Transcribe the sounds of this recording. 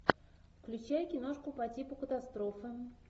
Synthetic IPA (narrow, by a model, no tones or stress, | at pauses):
fklʲʉt͡ɕæjkʲɪnoʂkʊpɐtʲipʊkət̪ast̪ɾofɨ